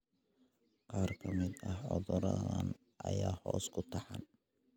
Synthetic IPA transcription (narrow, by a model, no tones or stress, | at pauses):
qɑːrkʰɐmɪd̪ɐhʕɔðɔɾɐðɐn | ʔɐjaːhɔːskʰʊt̪ʰɑħɑn